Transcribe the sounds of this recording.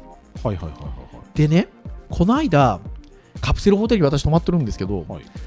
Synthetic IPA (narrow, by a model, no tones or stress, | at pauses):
haiha̰iha̰jhd̪̥e̞ne̞kʰo̞noaid̪a | kapɯ̥se̞ɾɯ̟ɦo̞t̪eɾ̟iβat̪aɕi̥t̪o̞mat̪ːe̞ɾɯ̃nd̪eɨ̥ke̞d̪o̞